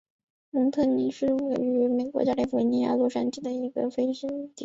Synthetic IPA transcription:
mʊ˧˥ŋt̪ʰɤ˥˩ni˧˥ʂɻ̩˥˧we˥˩ɪy˧˥me˨˩kwɔ̰˧˥t͡ɕja˥li˥˩fni˧˥ja̰˥lɔ˥˧ʂa˥nt͡ɕi˥˩d̪ə˩i˧˥ɡə̰˧fe˥ɪɕi˥˧t̪i˨˧˩

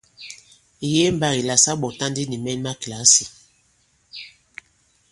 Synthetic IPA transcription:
i˨je˦m˨ba˦ɣi˨la˨sa˦ɓɔ˨ta˦ndi˦ni˨mɛ˦ma˦kla˨˦si˨

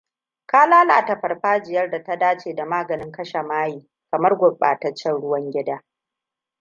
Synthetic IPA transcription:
kaː˦laː˦la̰ː˨tɐ˨ɸɐ˨rɸaː˦d͡ʒɪ˨jɐ˦rda˨ta˦daː˦t͡ʃeː˨da˨maː˦ɡɐ˨nɪ˦ŋkɐ˦ʃa˨maː˦jiː˨ | kɐ˨mɐ˦rɡʷʊ˨ɓa̰ː˨tɐ˦t͡ʃːɛ˦nɽʊ˦wɐ˦ŋɡʲɪ˦daː˦

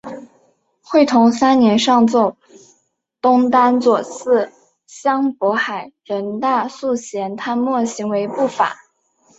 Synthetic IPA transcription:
xwe˥˩ɪt̪ʰʊ˧˥ŋsa˥nnjɛ˧˥nʂɑ˥˧ŋt͡so˥˩ʊ | t̪ʊ˥ŋt̪a˥nt͡swɔ˨˩t͡sʰɹ̩˥˩ | ɕjɑ˥ŋpwɔ˧˥xa˨˩ɪɻə˧˥nt̪a˥˧su˥˩ɕjɛ˧˥nt̪ʰa˥˧nmwɔ˥˩ɕi˧˥ŋwe˧˥ɪpu˥˩fa̰˨˩˦

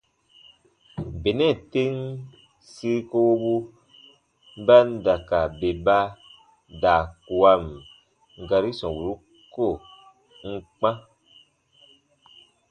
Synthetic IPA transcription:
be˨nɛ˦˨te˦n | si˦ko˦wo˦bu˦ | ba˦n˦da˨ka˨be˨ba˧ | da˨ku˨a˧m˨ | ɡa˧ɾi˦sɔ̃˨wu˨ɾu˦ | ko˦˨ | ŋ̩˦k͡pã˦

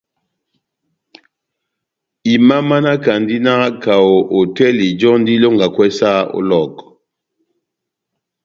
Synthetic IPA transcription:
i˨ma˦ma˦na˦ka˨ndi˦na˦ka˨o˨ʔo˨tɛ˦li˨d͡ʒɔ˦ndi˦lo˦ŋɡa˨kwɛ˦sa˦o̰˦lɔ˦˨k

